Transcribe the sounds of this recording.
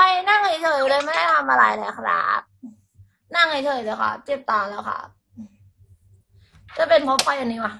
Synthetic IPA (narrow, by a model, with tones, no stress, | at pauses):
pa˧jna˥˩ŋha˨˧˩jt͡ɕ̪ʰɤː˨˩˦ju˧lɤː˧jma˥˩da˥˩jt̪ʰa˧mʔa˧ɾa̰˨˩˦jna̰ː˨˩˦kʰɾa̰ː˧˥˩p̚ | na˥˩ŋha˨˩˦jt͡ɕ̪ʰɤː˨˩jlɤː˧jkʰa̰˧˩t͡ɕe˨˩p̚t̪aɔː˨˩lɛː˦˥wkʰa̰˧˩ | t͡ɕa˨˩pe˧npʰo˦˥pʰːɔ˧˩jʔa˧nːiː˦˥wa˧˩